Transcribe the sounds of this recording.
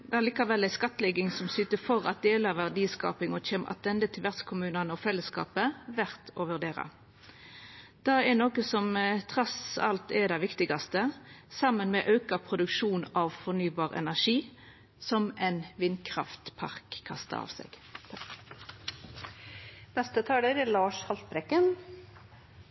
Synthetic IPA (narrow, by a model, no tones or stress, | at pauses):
d̪ɛæʁliːkɑʋɛlːæɪskɑt̪ːlɛɡɪŋsɔmsyːt̪əfɔʁɑ̰t̪̚d̪eːləʋæʁd̪iːskɑ̰ːpɪŋɔçeːmʔɑ̰t̪̚d̪ɛnd̪ət̪ʰɪlʋæʁt̪skʰʊmʉːnɑnəɔfɛlːəskɑ̰ːpəʋæʁt̪ʰɔʋʉʁd̪eːɾɑ̰ | d̪̥ɑɛnoːkəsɔmt̪ʰʁɑsɑ̰lt̪ɛd̪ɛɪʋɪkt̪ɪɡɑst̪əsɑmːənmɛʔɑʉkɑpʰʁʊd̪ʉkʂuːnɑʋfɔnyːbɑːʁɛ̰næʁʂiː | sɔmɛnʋɪnkʰʁɑft̪pʰɑ̰ʁkʰːɑ̰st̪ɑ̰ɑ̰ːʋsɛ̰ɡ̥ | nɛst̪ət̪ʰɑːləɾlɑːʂhɑlt̪bɾɛkːən